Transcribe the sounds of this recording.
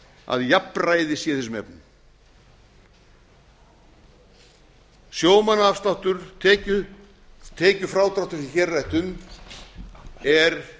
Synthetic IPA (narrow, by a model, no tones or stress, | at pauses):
a̰ðjapraːjðɪsijːaθɛsʏmɛ̰pnɪ | sjoːwmanaafst̪awht̪ʏɾ̥ɛːcʏ | t̪ʰɛːcʏfɾawt̪ɾawht̪ʏɾiçɛrːajht̪ʏm | ɛɾ